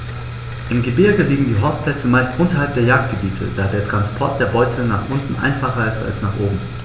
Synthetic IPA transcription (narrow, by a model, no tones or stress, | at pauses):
ʔɪmɡəbɪɐɡəliːɡŋ̩diːɦɔʊstplɛt͡səmaɪstʔʊntɐɦalp̚d̥eːɐjaːk̚t̚ɡ̥əbiːtʰə̰d̥aːdeːɐtʁ̥anspʰɔɐt̚d̥eːɐbɔʏtʰl̩naːχʔʊntn̩ʔa̰ɪnfaχɐɪsta̰lsnaːχʔoːbm̩